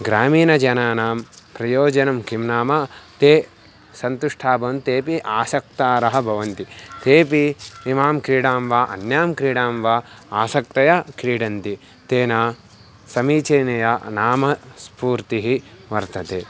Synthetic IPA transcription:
ɡɾaːmiːnɐd͡ʒɐnaːnaːmpɾɐjoːd͡ʒɐnɐmkimnaːmaːt̪eː | sɐnt̪uʂʈʰaːbɐnt̪eːpiʔaːsɐk̚t̪aːɾɐɦɐ̆bʱɐʋɐnt̪it̪eːpiimaːmkɾiːɽaːmʋaːʔɐ̰njaːmkɾiːɽaːmʋaː | aːsɐk̚t̪ɐjakɾiːɽɐnt̪i | t̪eːnaː | sɐmiːt͡ʃɐːnɐjanaːmɐspuːɾt̪iɦiʋɐɾt̪ɐt̪eː

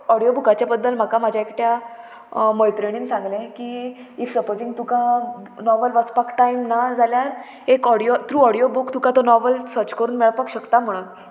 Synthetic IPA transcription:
ɔɽijobukat͡ɕjabəd̪ːəlm̤akamad͡ʑʱaekʈja | məjt̪ɾeɽ̃iːnsãŋɡlẽki | ifsəpod͡zĩŋɡt̪ukanɔʋəlʋət͡spakʈajmnad͡zʱaljaɾ | ekɔɽiot̪ɾuːɔɽijobukt̪ukat̪onɔʋəlsət͡ɕkəɾuːnmeɭpakɕəkt̪am̤əɽ̃un

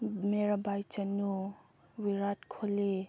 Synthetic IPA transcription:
meɾabajt͡ʃanu | wiɾat̚kʰoli

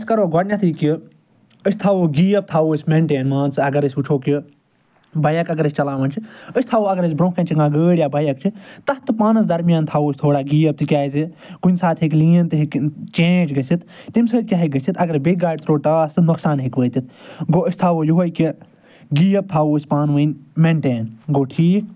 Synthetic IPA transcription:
sʲkɐɾoːɡɔʈnʲjat̪ʰiːki | əsʲt̪ʰaːʋoːɡiːɐb̚t̪ʰaːʋoːsʲmẽːɳʈeːnmãːnt͡sɨɐɡɐɾəsʲut͡ʃʰoːki | bɐjɐkɐɡɐɾəsʲt͡ʃɐlaːʋɐnt͡ʃʰiəsʲt̪ʰaːʋoɐɡɐɾɐsʲbɾõːkʰɐ̃nʲt͡ʃʰiɡãːɡəːɽʲjaːbɐjɐk̚t͡ʃʰit̪ɐt̪ɨpaːnɐsd̪ɐɾmjaːnt̪ʰaːʋoːsʲt̪ʰoːɽaːɡiːɐb̚t̪ɨkʲaːzi | kunʲsaːt̪ʰɦikliːɐnt̪ɨɦikt͡ʃẽːd͡ʒɡɐsit̪t̪imsəːd̪̚kʲjaːɦik̚ɡɐsit̪ʰɐɡɐɾbeːɡaːʈ̚ʲt̪ɾoːʈaːst̪ɨnɐksaːnɦikʋəːt̪it̪̚ɡoːəsʲt̪ʰaːʋoːjuɦojki | ɡiːjɐb̚t̪ʰaːʋoːsʲpaːnʋənmeɳʈeːnɡoːʈʰiːk̚

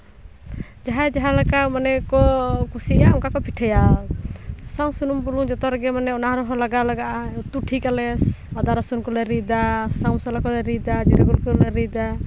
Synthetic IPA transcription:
d͡ʒaɦad͡ʒaɦalakamanɛkɔkusiaɔŋkakɔpʰiʈʰaja | saŋsunumpuluŋd͡ʒɔt̪ɔɾɡɛmanɛɔnaɦɾɔɦɔlaɡalaɡaʔaut̪uʈʰikalɛsɔd̪aɾasunkɔlɛɾid̪asaŋmɔsɔlakɔlɛɾid̪ad͡ʒiɾɛɡulkɔlɛɾid̪a

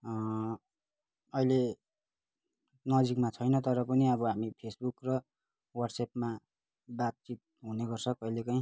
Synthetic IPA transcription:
ʌjle | nʌd͡zikmat͡sʰʌjnʌt̪ʌɾʌpʌniʌbʌɦamipʰesbukrʌ | wʌrɖsepma | bab̚t͡sit̪̚ɦuneɡʌrsʰʌkʌjlekʌĩ

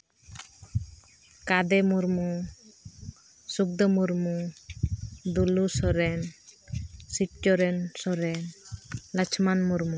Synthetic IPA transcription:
kad̪emuɾmu | suk̚d̪ɔmuɾmu | d̪ulusɔɾɛn | siʈt͡ʃɔɾensɔɾɛnlət͡ʃʰmanmuɾmu

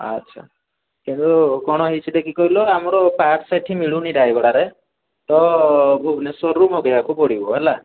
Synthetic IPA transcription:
a̰tːʃʰa̰ | kint̪ukɔɽ̃ɔɦit͡ʃʰid̪ekʰikɔɦilɔamɔɾɔpaʈseʈʰimiɭunidajbɔɽaɾe | t̪ɔbʱubnesɔɾumɔɡeakupɔɽibɔɦela

